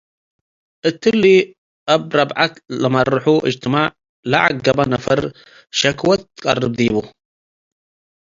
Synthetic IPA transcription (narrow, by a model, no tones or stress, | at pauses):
ʔət̪ːəlːi | ʔabɾˤɑbʕat̪lamːaɾˤuħuʔɪ̰d͡ʒt̪ɪmaʕ | la̰ʕa̰ɡɡabanafɨ̰ɾˤ | ʃakwat̪kɑ̰rˤːɨb̚d̪iːbu